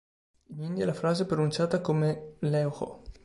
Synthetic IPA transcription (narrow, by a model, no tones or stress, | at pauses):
inind̪jalafɾaːzepɾonunt͡ʃaːt̪akomelɛwxo̰